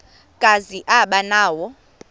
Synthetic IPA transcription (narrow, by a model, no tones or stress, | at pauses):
kʼaziʔaɓanaːwɔ